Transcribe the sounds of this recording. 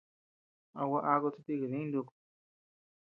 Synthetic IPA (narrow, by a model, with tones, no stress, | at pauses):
a˧wa˦˧ʔa˧ɡo˦˧t͡su˦˧t̪i˦˧ɡɨ˨ni˦nd̪u˧k